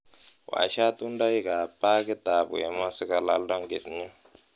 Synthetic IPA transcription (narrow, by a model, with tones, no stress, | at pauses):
wa̰˨ʃa˦tu˦nda˦i˦ka˨pa˦kɛ˦t̪a˨βṵ˨jɛ˨ma˦si˦ka˦la̰˦lda˦ŋɡḛ˨tɲu˦